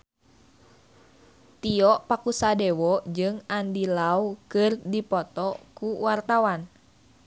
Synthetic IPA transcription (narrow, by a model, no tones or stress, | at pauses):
t̪iɔʔpakusadɛwɔd͡ʒɨŋandilaukɨrdipɔt̪ɔkuwart̪awan